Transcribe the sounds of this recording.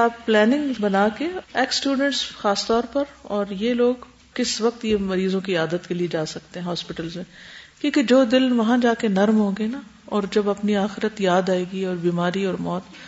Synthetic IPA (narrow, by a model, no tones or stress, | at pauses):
aːpːlɛːnɪ̃ŋɡbɐnaːkeɛːksʈjuːɖə̃ɳʈsxaːst̪ɔːɾpɐɾɔːɾjeloːɡ | kɪsʋɐq̚t̪jemɐɾiːzõk̬iaːd̪ət̪kelied͡ʒaːsɐk̚t̪eɦɛ̃ɦɔːspɪʈəlzmẽkjõːked͡ʒoːd̪ɪlʋɐɦãd͡ʒaːkenɐɾmɦõːɡəena | ɔːɾd͡ʒɐbɐpniaːxɪɾət̪jaːd̪aːeːɡiɔːɾbiːmaːɾiɔːɾmɔːt̪